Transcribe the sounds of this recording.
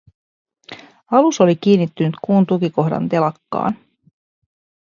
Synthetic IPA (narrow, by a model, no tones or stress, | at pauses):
ɑluso̞lik̟iːnːit̪ːynyt̪kuːnt̪ukiko̞hdɑ̰nt̪e̞lɑkːɑ̰ːn